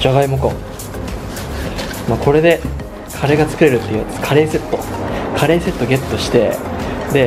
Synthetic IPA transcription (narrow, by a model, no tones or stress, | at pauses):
d͡ʑaɡaimokõ | maːkʰo̞ɾe̞d̪e̞ | kʰaɾe̞ɡat͡sɨ̥kɯ̟ɾe̞ɾɯ̟t̪ːeit̪kʰaɾe̞ːse̞t̪ːo̞kʰaɾe̞ːse̞t̪ːo̞ɡe̞t̪ːo̞ɕi̥t̪e̞d̪e̞